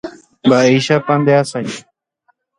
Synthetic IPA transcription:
baːiːʃaːpãːnd̪ɪjaːsai

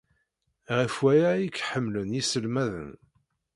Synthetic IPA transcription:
ʁəfwæjæjikːħəmːlənjisəlmæðə̰n

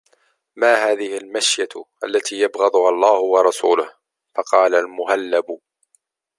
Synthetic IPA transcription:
maːɦaːðɪhɪlmaʃjaʔalːat̪iːjabɣɑd̪ˤʊhalˤːɑːhʊwɑɾˤɑsṵːlʊh | fɑqɑːlalmʊhalːab

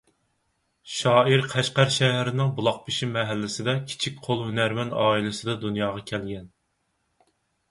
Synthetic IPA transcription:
ʃɑːiɾqʰæʃqæɾʃɛɦæɾɪnɪŋbulˠɑq̚pʰɪʃimɛɦælːɪsɪd̪ɛkʲʰi̥t͡ʃʰik̚ʲqʰolˠhønæɾmɛnɑːilɪsɨd̪ɑd̪unjɑːʁɑkʲʰɛlɡʲɛn

